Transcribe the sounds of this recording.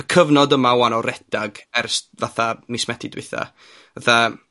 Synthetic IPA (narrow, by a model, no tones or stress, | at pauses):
əkʰəvnɔdəmawanɔɾɛd̥aɡɛrsvaθamismɛtʰɪdwɪ̰θa̰ | vəθa